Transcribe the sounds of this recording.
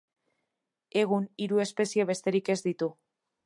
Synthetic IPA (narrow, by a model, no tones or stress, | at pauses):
e̞ɣ̞uniɾue̞spe̞sieβ̞e̞st̪e̞ɾike̞zd̪it̪u